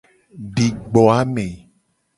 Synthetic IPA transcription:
ɖi˨ɡ͡bɔ˨a˦mẽ˨

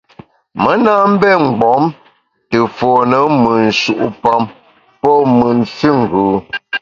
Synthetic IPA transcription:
mə˦na˦m̩˦bɛ˦˨ŋ̩˨ɡ͡bɔ˨˦m | tə˨fɔ˨nə˨˦mɨ˨n̩˨ʃu˨ʔu˦pa˦˨m | pɔ˦mɨ˨n˨si˦ŋ̩˨ɡʉː˨˦

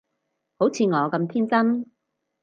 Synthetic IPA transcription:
ho˨˥wt͡sʰiː˨˧ŋɔː˨˧kɐ˧mt̪ʰiː˥nt͡sɐ˥n

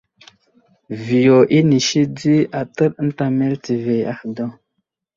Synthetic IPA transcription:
vi˨jo˨ʔi˦ni˨ʃi˦di˦a˨tə˦ɾn̩˦ta˨me˦lti˨ve˨a̰˦hdo˦

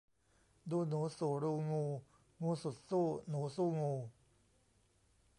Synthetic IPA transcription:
duː˧nuː˨˩˦suː˨˩˦ɾuː˧ŋuː˧ | ŋuː˧su˨˩t̪̚suː˥˩nuː˩˦suː˥˨ŋuː˧

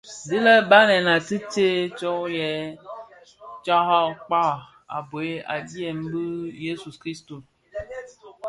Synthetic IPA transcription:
zi˦lə˦ba˦nɛ˨na˨tɨ˦te˦t͡ʃɔ˦jɛ˨˦ | t͡ʃa˦ɦa˦k͡pa˦˨ | a̰˨bo˨e˦a̰˨di˦ɛ˨m˦bə˦je˦su˨kɾi˦sto˨

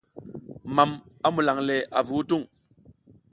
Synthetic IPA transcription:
ma˨ma˦mu˨la˨ŋle˨ʔa˨vi˨wu˦tu˦˨ŋ

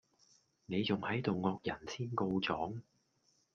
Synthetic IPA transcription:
ne˨˧jt͡sʊ˨ŋhɐ˨˥jt̪o˨wŋɔː˧k̚jɐ˨˩nsʰiː˥nko˧wt͡sɔː˨˥ŋ

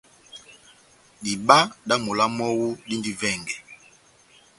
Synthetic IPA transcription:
di˨ba˦da˦mu˨la˦mɔ˦wu˦di˦ndi˦vɛ˦˨ŋɡɛ˨

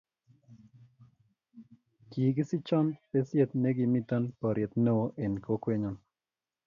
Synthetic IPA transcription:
kiː˨ɡɪ˦sɪ˦t͡ʃɔ˦npe˦sje˨t̪̚ne˦ɡɪ˨mi˦t̪ɔ˦npɔ˨ɾɪ˨e˨t̪ne˦wo˦ʔe˨nko˦kwe˦ɲɔ˨n

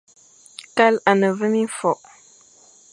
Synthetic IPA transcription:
ka˦la˨nə˨və˦mi˦fɔ˨ʔ

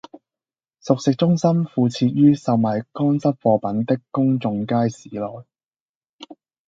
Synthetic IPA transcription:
sʊ˨k̚sɪ˨k̚t͡ʃʊ˥ŋsɐ˥mfuː˧t͡sʰiː˧t̚jyː˥sɐ˧wmaː˨˩jkɔː˥nsɐ˥p̚fɔː˧pɐ˨˥nt̪ɪ˥kkʊ˥ŋt͡sʊ˧ŋkaː˥jsiː˨˦lɔː˨j

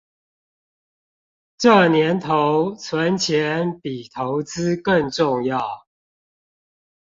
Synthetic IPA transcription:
ʈ͡ʂə˥˨njɛ˨˦nt̪ʰo˨˦ʊt͡sʰwə˨˦nt͡ɕʰjɛ˨˧˦npi˨˩t̪ʰo˨˦ʊt͡sɹ̩˦kə˥˧ŋʈ͡ʂʊ˥˨ŋjɑ˥˨ʊ

